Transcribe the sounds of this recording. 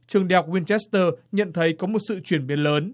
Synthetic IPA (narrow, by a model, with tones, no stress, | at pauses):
t͡ɕɨ˨˩əŋɗi˧˨ha˨˩k͡p̚wi˧nt͡ɕɛ˦˥st̪əː˧˩ɲə̰˧˨nt̪ʰə˨˦jkɔ˨˦mo˨˩t̚sɨ̰˧˨t͡ɕwi˧˩ənɓi˨˦ənləː˨˦n